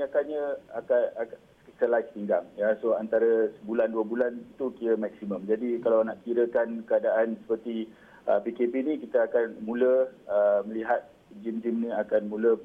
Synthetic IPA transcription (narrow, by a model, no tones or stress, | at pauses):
ɲakaɲãakaa | səlat̪iŋɡaŋjasoant̪aɾəsəbulanduəbulanit̪ukiɾəmɛk̚siməmd͡ʒadikalawnaʔkiɾəkankəadaʔansə̥pərt̪i | ə̰pikepinĩkit̪əakanmũləəmə̃liɦat̪̚ | d͡ʒimd͡ʒimnĩakanmũlə